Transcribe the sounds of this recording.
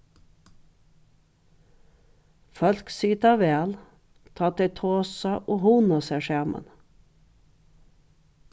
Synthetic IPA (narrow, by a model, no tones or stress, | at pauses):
fœlksiːt̪ɑʋeːl | t̪ʰɑːt̪et̪ʰoːsɑʔoːhunɑseːʃeːmə̰n